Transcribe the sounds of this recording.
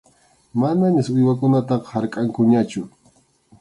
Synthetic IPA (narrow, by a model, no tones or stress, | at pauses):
manaɲasʊjwak̬ʊnat̪ɑqɑ̥haɾkʼaŋkʊɲat͡ʃʊ